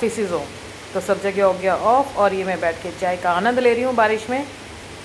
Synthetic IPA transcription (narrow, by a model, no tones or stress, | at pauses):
fɪsɪzɦõː | t̪osɐb̚d͡ʒɐɡiɔːɡjaʔɔːfʰɔːɾjemɛ̃bɛːʈ̚ʰket͡ʃaːekaaːnə̃nd̪leːɾiɦũbaːɾɪʃmẽ